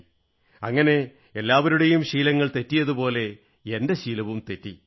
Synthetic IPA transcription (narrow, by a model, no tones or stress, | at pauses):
ɐŋːɐne̞ | elːaːʋɐɾuɽejumɕiːlɐŋːɐɭt̪e̞tːijɐðupo̞ːle̞ | ende̞ɕiːlɐʋumt̪e̞tːi